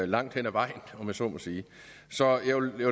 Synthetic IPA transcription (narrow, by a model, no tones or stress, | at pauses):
lɑ̈ŋ̰d̥hen̰æʋɑ̈ɪ̰n̩ɒ̽mjæsɒ̰mɒsiː | sɒ̽jɑj